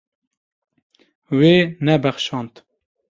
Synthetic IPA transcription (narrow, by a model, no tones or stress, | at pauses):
weːnɛbɛχʃɑːnt̪